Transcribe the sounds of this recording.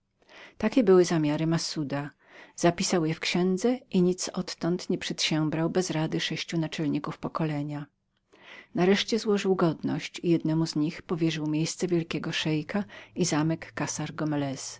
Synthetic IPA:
t̪akʲɛbɘwɘzamʲjaɾɘmasud̪a | z̥apʲisawjɛfkɕɛ̃nd̪zɛʔiɲit̪sɔt̪ːɔnt̪ɲɛpʂɛt̪ɕɛmbɾawbɛzɾad̪ɘʂɛɕt͡ɕunat͡ʂɛlɲikufpɔkɔlɛɲa | naɾɛʂt͡ɕɛzwɔʐɘwɡɔd̪nɔ̰ɕt͡ɕijɛd̪nɛmuzɲixpɔvʲjɛʐɘwmʲjejst̪sɛvʲjɛlkʲɛɡɔʂɛjkʰaizamɛkːasaɾɡɔmɛlɛs

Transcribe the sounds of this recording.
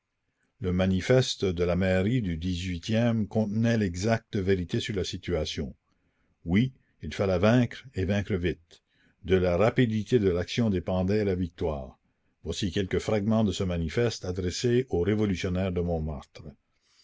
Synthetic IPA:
ləmanifɛst̪əd̪əlamɛʁid̪yd̪izɥit̪jɛmkɔ̃t̪nɛlɛɡzak̚t̪əveɾit̪esyʁlasit̪yasjɔ̃ | wi | ilfalɛvɛ̃ːkɾevɛ̃kɾəvit̪ | d̪əlaʁapid̪it̪ʰed̪əlaksjɔ̃d̪epɑ̃d̪ɛlavik̚t̪waːʁ | vwasikɛlkəfɾaɡmɑ̃d̪əsəmanifɛst̪ad̪ɾeseoʁevɔlysjɔnɛːʁd̪əmɔ̃ma̰ʁt̪ɾə

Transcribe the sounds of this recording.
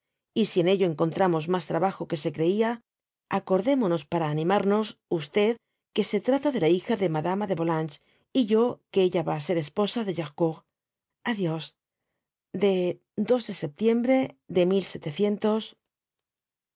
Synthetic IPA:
isie̞ne̞ʎo̞eŋko̞nt̪ɾamo̞zmast̪ɾaβaxo̞ke̞se̞kɾe̞ia | ako̞ɾðe̞mono̞spaɾaːnĩmaɾno̞sust̪e̞ð | ke̞se̞t̪ɾat̪aðe̞laixaðe̞maðamaðe̞βo̞lant͡ʃ | iʝo̞keeʎaβaːse̞ɾe̞spo̞saðe̞ʝaxkoɣ | aðjo̞s | d̪e̞ | d̪o̞zðe̞se̞p̚t̪je̞mbɾe̞ðe̞milse̞t̪e̞θje̞nt̪o̞s

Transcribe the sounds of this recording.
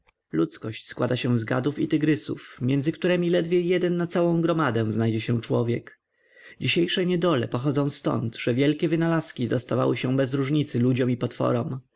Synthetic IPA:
lut̪skɔɕt͡ɕskwad̪aɕɛ̃zɡa̰d̪ufit̪ɘɡɾɘsṵfmʲjɛnd̪zɘkt̪uɾɛmʲilɛd̪vʲjɛjɛd̪ɛnːat̪sawɔ̃w̃ɡɾɔmad̪ɛ̃znajd͡ʑɛɕɛ̃t͡ʂwɔvʲjɛk | d͡ʑiɕejʂɛɲɛd̪ɔlɛ̰pɔxɔd̪zɔ̃w̃st̪ɔ̰nt̪ʐ̥ɛvʲjɛlkʲɛvɘnalaskʲid̪ɔst̪ava̰wɘɕɛ̃bɛzɾuʐɲit̪sɘlud͡ʑɔmipɔt̪fɔ̰ɾɔm

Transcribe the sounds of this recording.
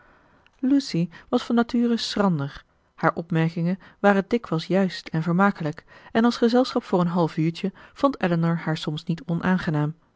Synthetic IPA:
lusiʋɑsfɑnːatyːrəsrɑndəɹ | haːɹʔɔpmɛɹkɪŋənʋaːrədɪkʋɛlˠsjœɥstɛnvəɹmaːkələkɛnɑlˠsχəzɛlˠsχɑpfʊːɹənɦɑlˠfyːɹt͡ʃəv̥ɔntɛlənəɹhaːɹsɔmsnitɔnʔaːnχənaːm

